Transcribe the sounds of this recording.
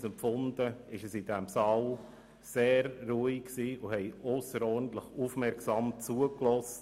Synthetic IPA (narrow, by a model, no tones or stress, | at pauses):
sɛmpfʊnd̪əɪʃəsɪdɛmsɑl | seːɾːuikksiːʔʊhɛɪɔsəɾɔɾdn̩t̪ləχufmɛɾksɑːmt͡suəklɔst